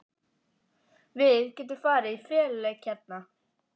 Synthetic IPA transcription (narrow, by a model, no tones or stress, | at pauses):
vɪðcɛːt̪̬ʏfaːɾaifɛːllɛcʰːɛt̪̚na